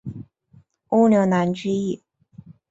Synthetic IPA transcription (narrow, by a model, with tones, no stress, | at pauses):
o˥ʊljo˧˥na˧˥nʈ͡ʂɻ̩˥i˥˩